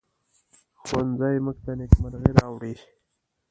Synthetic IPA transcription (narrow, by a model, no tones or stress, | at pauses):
xwanzajmək̚t̪anekmaɾɣeɾɑwɽi